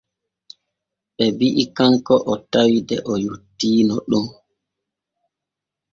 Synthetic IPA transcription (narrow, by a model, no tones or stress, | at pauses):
ɓɛbiʔikaŋkɔʔɔtawidɛʔɔjutːiːnɔɗum